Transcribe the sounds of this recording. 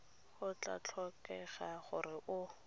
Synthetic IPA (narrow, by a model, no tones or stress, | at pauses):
χʊt͡ɬa̰t͡ɬʰɔkɛχaχʊrɪʔʊ